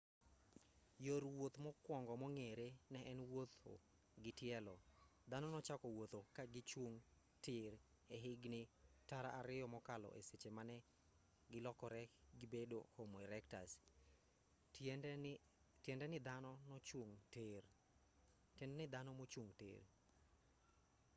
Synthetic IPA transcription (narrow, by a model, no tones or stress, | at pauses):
joɾwot̪mɔkwɔŋɡɔmɔŋeɾenɛʔɛnwot̪o̰ | ɡɪtjɛlɔd̪anɔnɔt͡ʃakɔwot̪okaɡɪt͡ʃwoŋ | tɪɾ | eɦɪɡnɪtaɾa̰ʔaɾɪjɔmɔkalɔ̰ʔḛset͡ʃemanɛ | ɡɪlɔkɔɾɛɡɪbedo̰homoɛɾɛktas | tjɛndɛnɪd̪anɔnɔt͡ʃoŋter | tɛndɛnɪd̪anɔmot͡ʃoŋtḛr